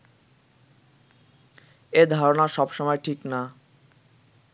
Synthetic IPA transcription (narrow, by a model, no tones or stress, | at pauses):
ed̪ʱaɾonaɾʃɔbʃɔmɔeʈʰikna